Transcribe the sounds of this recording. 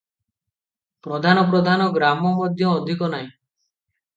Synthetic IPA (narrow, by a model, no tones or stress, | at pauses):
pɾɔd̪ʱanɔp̬ɾɔd̪ʱanɔɡɾamɔmɔd̪ʱjɔːd̪ʱikɔnaɦĩ